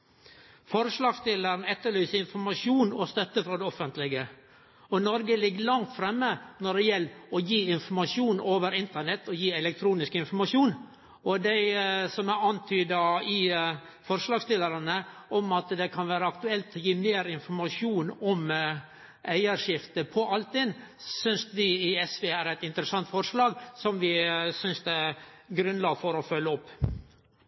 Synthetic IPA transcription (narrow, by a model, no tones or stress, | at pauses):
fɔɾʂlɑːɡst̪ɪlːəɾnɛt̪ːəɭyːsəɪnfɔɾmɑʂuːnɔst̪œt̪ːəfɾɑːd̪ɛɔfənt̪lɪɡə | ɔnɔɾɡəlɪɡːəlɑŋt̪fɾɛmːənɔɖɛjɛlːɔjiːɪnfɔɾmɑʂjuːnoːʋəɾɪnt̪əɳɛt̪ʰːɔjiːɛlɛk̚t̪ʰɾuːnɪskɪnfɔɾmɑʂjuːn | ɔd̪æɪsɔmæɑnt̪ʰyːd̪ɑɪ | fɔɾʂlɑːɡst̪ɪləɾɑnəʔɔmɑt̪d̪ɛkʰɑnʋæːɾəɑkt̪ʉɛlt̪jiːmeːɾɪnfɔɾmɑʂjuːnɔm | ʔæɪəɾʂɪft̪əpʰɔʔɑlt̪ɪnsʏnsʋɪɪɛsʋeːæɾæɪt̪ɪnt̪əɾəsɑnt̪fɔɾʂlɑːɡsɔmʋɪsʏnsd̪ɛɡɾʉnlɑːɡfɔɾɔfœlːəɔpː